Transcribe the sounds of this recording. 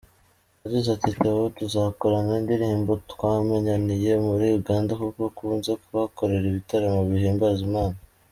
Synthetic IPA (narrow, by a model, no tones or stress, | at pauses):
aɟizatiteβotuzako̞ɾanaindiɾiiːmbotkwameɲanije̞muɾiuɡaːndakukokuːnzekuβako̞ɾe̞ɾiβitaɾamoβihiːmbazimaːna